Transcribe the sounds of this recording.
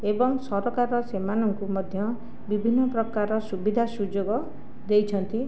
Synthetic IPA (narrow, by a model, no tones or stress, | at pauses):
ebɔŋsɔɾɔkaɾɔsemanɔŋkumɔd̪ʱjʌ | bibʱinːɔprɔkaɾɔsubid̪ʱasud͡ʒoɡɔ | d̪ejt͡ʃʰʌnt̪i